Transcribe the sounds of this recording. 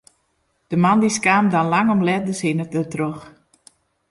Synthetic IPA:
d̥əmandiskaːmdanlaŋɔmlɛt̚dəsɪnətətrox

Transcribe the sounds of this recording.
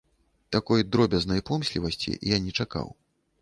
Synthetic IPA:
t̪akɔjd̪ɾɔbʲɐznɐjpɔmsʲlʲivɐsʲt͡sʲḭjanʲɛt͡ʂaka̰w

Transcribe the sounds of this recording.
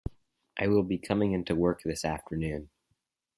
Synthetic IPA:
ʔaɪwɪlˠbikʰʌmɪ̃ŋɪ̃ntuwɜ˞k̚ðɪsæftʰə˞nʉ̃n

